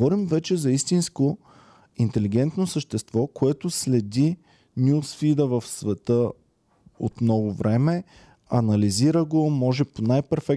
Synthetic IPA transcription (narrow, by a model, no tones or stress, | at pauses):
vɔɾimvɛt͡ʃɛzɐist̪insko | int̪ɛliɡ̟ɛnt̪nosəʃt̪ɛst̪vɔkoɛt̪oslɛd̪i | nʲjusfid̪əvəfsvɛt̪ə | o̰t̪mnɔɡovɾɛmɛ | ɐnɐliziɾəɡomɔʒɛponajpɛɾfɛk